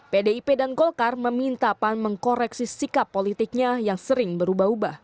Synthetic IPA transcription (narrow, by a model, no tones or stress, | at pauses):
pedeipedanɡɔlkarməmint̪apanməŋkoɾɛksisikapːolit̪ɪk̚ɲajaŋsəɾɪŋbəɾubaɦubah